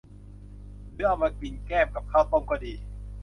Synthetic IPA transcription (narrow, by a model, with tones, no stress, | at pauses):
lɯː˨˦˥ʔa˧wmaː˧ki˧nkɛː˥˩mka˨˩p̚kʰaː˥˩wt̪o˥˨mkɔː˧˩diː˧